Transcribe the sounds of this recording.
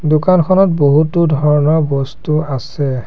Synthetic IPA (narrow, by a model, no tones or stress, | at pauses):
dukankʰɔnɔt̚boɦutudʱɔɹɔnɔɹbɔstuasɛ